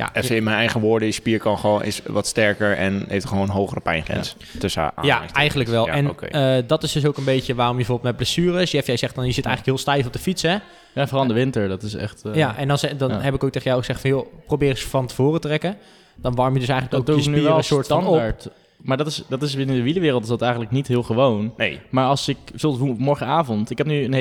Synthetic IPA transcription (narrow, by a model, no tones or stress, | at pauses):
ja̰ɛfəɪnmɛnɛjχəʋoːɹdəjəspiːɹkɑnχəʋonʔɪ̰sʋɔtstɛɹkəɹɛ̰nɦḛjftχəʋoːnənɦowχərəpɛ̰jnχɛ̰ns | tøsəa̰a̰aɛjχən̩ləkʋɛlˠɛnkədɑtɪszdɵs̬owkənbejcəʋaːrɔmjbəbəvoblˠtmɛt̚blɛsyːrəsjɛfjɛjzɛχtfɔnjəzɪtɛjxχələkɦɪːlˠstɛjfɔb̚dəfitsɛ | jafərɑlˠdəʋɪntəɹdɑtɪsɛ̰χtjaʔɛndɔnzɛdɑnɦɛpɪkowk̚tejχəjawχəzɛχtfɑnjoprowbɪːrəsfɑntəv̥oːrətərɛkə | d̥ɑnʋɑɹmjədɵsɛjχənləkɔkuəsnilˠəsʊːɹtsɑnaɹt | maːɹdɑtɪsdɑtɪsbɪnədəʋiləʋɪːrəl̩ˠtɪ̥sdɑtɛjχənləknitɦɪːlˠχəʋownnemaːɹɑlˠsɪksɪlˠmɔɹχəaːvɔntɪkɛp̚nyən